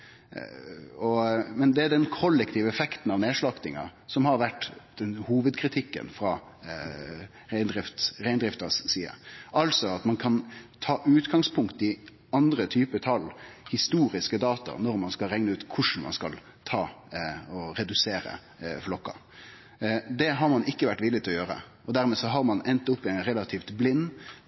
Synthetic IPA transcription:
ɔmɛnd̪ɛæd̪ɛnkʰɔlːɛk̚t̪ʰiːʋəɛfɛkt̪n̩ɑʋneːʂɭɑkt̪ɪŋɑ̰sɔmhɑɾʋæʈːd̪̥ɛnhuːʋəd̪̚kʰɾɪt̪ʰɪkːə̰nfɾɑ | ʁæɪnd̪ɾɪft̪ɾæɪnd̪ɾɪft̪ɑssiːə̰ʔɑlsɔɑt̪mɑnkʰɑnt̪ʰɑːʔʉːt̪ɡɑŋspʰʊŋkt̪ɪ | ɑnd̪ɾət̪ʰyːpət̪ʰɑlhɪst̪uːɾɪskəd̪ɑːt̪ɑ̰nɔɾmɑnskɑlɾɛŋnəʉːt̪kʰʊʂn̩mɑ̰nskɑl | t̪ʰɑːɔɾɛd̪ʉseːɾə̰ | flɔkːɑ̰ | d̪ɛɦɑɾmɑnʔɪkːəʋæʈːʋɪlɪt̪ʰɪlɔjøːɾə̰ | ʔɔd̪æɾmɛːsɔɦɑɾmɑnɛnt̪ʊpːɪɛɪnɾɛlɑt̪ʰiːft̪blɪnː

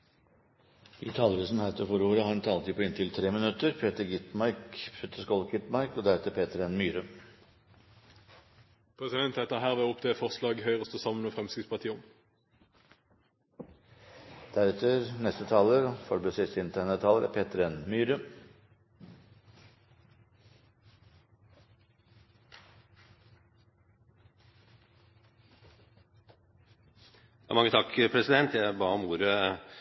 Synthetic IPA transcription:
iːt̪ʰɑːləɾʉːsn̩hæt̪ʰəfɔɾoːɾəhɑːɾnt̪ʰɑlt̪ʰiːpʰɔɪnt̪ʰɪlt̪ʰɾeːmənʉt̪əɾpʰeːt̪əɾɡɪt̪mɑɾkpʰeːt̪ʰəʂkɔlɡɪt̪mɑɪkɔd̪æɾɛt̪əɾpʰeːt̪əɾɛnmyːɾə | pʰʁɛsɪd̪ɛnt̪ɛt̪əɦæːʁʋɛɔpd̪ʰeːfɔʁslɑːɡœʏʁəst̪əsɑmːənofʁɛmskɪspʰɑʁt̪iːʊm | d̪̥æɾɛt̪ʰəɾnɛst̪ət̪ʰɑːləɾfɔɾbəsɪsɪnt̪ʰæɳət̪ʰːɑːləɾæ̰pʰeːt̪əɾɛnmyːɾə | ɑ̰mɑŋːət̪ʰɑkpʰɾɛsɪd̪ɛnt̪jæbɑːɔmuːɾə

